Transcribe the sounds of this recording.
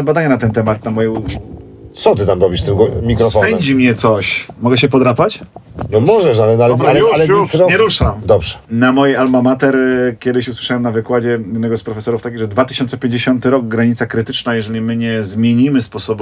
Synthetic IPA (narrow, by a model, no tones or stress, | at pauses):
bad̪aɲɛnat̪ɛnt̪ɛmat̪namɔjɛ | t̪sɔt̪ɘt̪amɾɔbʲiʂst̪ɘmɡɔmʲikɾɔsfɔpɛɛmɲd͡ʑimɲɛt̪sɔɕmɔɡɛɕ̬ɛpɔd̪ɾapat͡ɕnɔmɔʐɛʂ̬alɛalaialɛuɔɲɛɾuʂamd̪ɔbʐɛ̥namɔjialmamat̪ɛɾkʲjɛd̪ɘɕuswɘ̥ʂawɛmnavɘkwad͡ʑɛɛd̪nɛɡɔspɾɔfɛsɔɾuft̪akʲiɣʐɛd̪vat̪ɘ̥ɕɔnt̪sɛpʲjeɲd͡ʑeɕɔnt̪ɘɾɔɡ̚ɡɾaɲit̪sakɾɘt̪ɘt͡ʂnajɛʐɛlʲimɘɲɛzmʲjeɲimɘspɔsɔb